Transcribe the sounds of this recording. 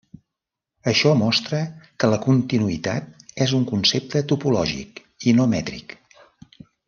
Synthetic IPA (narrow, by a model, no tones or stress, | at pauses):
əʃɔmɔst̪ɾəkələkunt̪inuit̪a̰t̪̚ɛzuŋkunsep̚t̪ət̪upulɔ̰ʒḭk | inomɛt̪ɾḭk